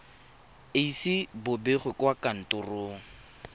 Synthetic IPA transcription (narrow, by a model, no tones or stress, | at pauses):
eisɪbʊbeχwɪkwakan̩tʼʊrʊŋ̩